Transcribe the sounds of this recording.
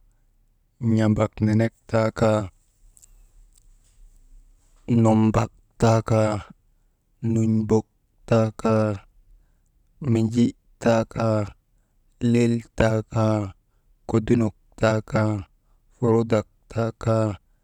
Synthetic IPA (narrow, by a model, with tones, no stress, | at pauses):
ɲa˨ba˨kne˨ne˦k̚ta˦ka˦ | no˨mba˨k̚ | ta˦ka˦ | nu˨ɲbo˨k̚ | ta˦ka˦ | mi˨d͡ʒi˦ | ta˦ka˦ | le˦lta˦ka˦ | ko˨du˦no˨k̚ta˦ka˦ | fo˨ɾo˦da˨k̚tʰa˦ka˦